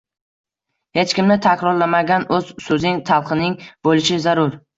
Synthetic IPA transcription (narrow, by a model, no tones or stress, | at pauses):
he̞t͡ʃkʲɪmnɪt̪ʰakʰʲɾɒɾlamaɡʲanɵz̥sɵzɪŋt̪ʰalˠqʰɨnɪŋbolɪʃɪzaɾʊɾ